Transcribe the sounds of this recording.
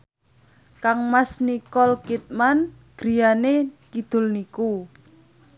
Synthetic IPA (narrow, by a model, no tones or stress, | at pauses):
kaŋmasnikɔlkit̪̚man | ɡ̥ɾi̤janekid̪̥ʊ̤lniku